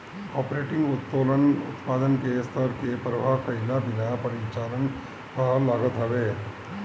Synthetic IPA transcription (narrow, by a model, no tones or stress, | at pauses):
kɔːpɾeːʈɪ̃ŋɡʊt̪̚poːlənʊt̪paːd̪ənkest̪ʰəɾkepɾɐʋakɐɪlabɪnapɐɾit͡ʃaːlən | kəɦlaːɡət̪ɦɐʋeː